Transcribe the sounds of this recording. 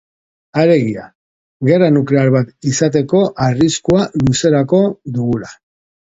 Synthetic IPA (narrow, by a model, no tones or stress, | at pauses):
aɾe̞ɣia̰ | ɣe̞ranuklealβat̪isat̪e̞ko̞ʔariskualuse̞ɾako̞ðuɣula